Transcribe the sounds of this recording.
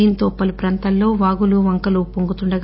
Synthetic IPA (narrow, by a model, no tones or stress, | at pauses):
iint̪oːpːɐlupɾɐnt̪ɐlːo̞ːʋaːɡuluʋɐŋkɐlupoŋɡut̪uɳɖɐɡ